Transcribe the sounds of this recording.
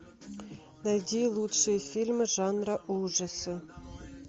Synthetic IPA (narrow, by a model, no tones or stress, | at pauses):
nɑjd̪ʲilˠutʂɨjəfʲilʲmʐɑnrɑʔuʐɑsɤ̆